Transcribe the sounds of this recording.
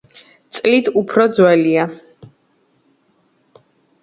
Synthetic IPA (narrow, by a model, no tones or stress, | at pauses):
t̪sʼlit̪ʰupʰɾɔd̪zwɛlia